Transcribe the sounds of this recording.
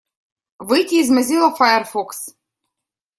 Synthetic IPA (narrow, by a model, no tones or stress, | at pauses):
vɨjt̪ʲiːzmɘzʲilˠɐfajɛrfoks